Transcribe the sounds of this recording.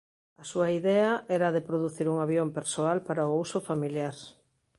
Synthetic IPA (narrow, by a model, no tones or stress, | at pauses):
ɐsuɐiðɛɐɛɾɐðepɾoðuθiɾuŋaβjompeɾsoalpaɾaousʊfamiljaɾ